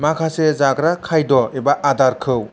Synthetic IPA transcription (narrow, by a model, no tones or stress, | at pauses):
makʰasezaɡɾakʰajdɔebaʔadaɾkʰɯw